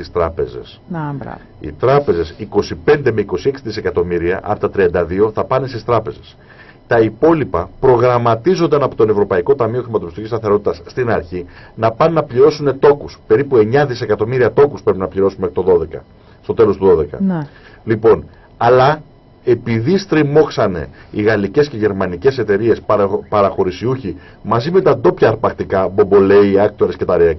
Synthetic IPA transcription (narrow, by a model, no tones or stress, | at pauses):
ist̪ɾɐpe̞ze̞̰s | ḭt̪ɾɐpe̞ze̞siko̞sipe̞nd̪e̞me̞iko̞sie̞ksiðise̞kɐt̪o̞miɾiɐ̰ʔɐ̰pot̪ɐt̪ɾiɐnd̪ɐðio̞θɐpɐne̞st̪ist̪ɾɐpe̞ze̞s | t̪ɐipo̞lipɐpɾo̞ɣɾɐmɐt̪izo̞nd̪ɐnɐpo̞t̪o̞ne̞vɾo̞pɐiko̞t̪ɐmio̞xɾimɐt̪o̞pist̪icist̪ɐθe̞ɾo̞t̪it̪ɐsːt̪inɐɾçinɐpɐnunɐpʎiɾo̞sune̞t̪o̞kuspe̞ɾipue̞ɲɐðise̞kɐt̪o̞miɾiɐt̪o̞kuspɾe̞pinɐpʎiɾo̞sumekit̪o̞ðo̞ðe̞kɐ̰ | st̪o̞t̪e̞lost̪uðo̞ðe̞kɐ̰n | lipo̞n | ɐlɐ | e̞piðist̪ɾimo̞ksɐne̞̰iɣɐlice̞sce̞ʝe̞ɾmɐnice̞se̞t̪e̞ɾie̞spɐɾɐxo̞ɾisiuçi | mɐzime̞t̪ɐd̪o̞pçɐːɾpɐkt̪ikɐbo̞bo̞le̞iɐk̚t̪o̞ɾesce̞t̪ɐɾiɐ